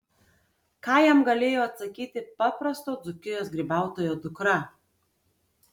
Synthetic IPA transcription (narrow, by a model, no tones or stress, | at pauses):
kɑːjɛmɡɐlʲeːjoːɐt̪sɐkʲiːt̪ʲɪpɑːpɾɐst̪oːd̪zʊkʲɪjoːsɡɾʲiːbɑˑʊt̪oːjoːd̪ʊkɾɐ